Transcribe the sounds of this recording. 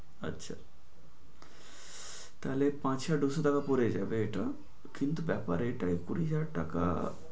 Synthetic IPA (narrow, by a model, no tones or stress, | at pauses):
ə̰tːɕʰa̰ | t̪alepãt͡ɕɕaɖusot̪akapɔɾed͡ʑaʋeʈa | kint̪uʋjapaɾeʈaikuɽid͡ʑaʈaka̰